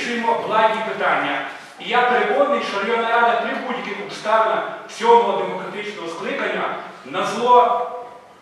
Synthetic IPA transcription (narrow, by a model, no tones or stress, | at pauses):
ʃʊjmɔblˠɑnʲipɪt̪ɑnʲːɐ | ijapeɾekɔd̪nːɪjʃɔɾjɔnɐɾad̪ɐpɾʲɪbutʲkɪkɔkst̪ɑnɐwsʲɔmɔɦɔd̪emɔkɾɐt̪ɪt͡ʃnɔɦɔsklˠɪkɐnʲːɐnɐzlˠɔ